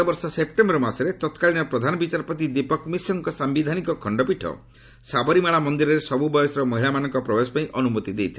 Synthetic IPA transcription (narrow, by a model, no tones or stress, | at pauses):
ɔbɔɾsɔsep̚ʈembɔɾɔmasɔɾet̪ɔt̪kalinɔpɾɔd̪ʱanɔbit͡ʃaɾpɔt̪id̪ipɔkmisɔŋkɔsambid̪ʱanikɔkʰɔɳɖɔpiʈʰɔ̰ | sabɔɾimaɭamɔnd̪iɾɔɾesɔbubɔjɔsɔɾɔmɔɦilamanɔ̃ŋkɔpɾɔbesɔ̥paĩʔɔnumot̪id̪ejt̪ʰil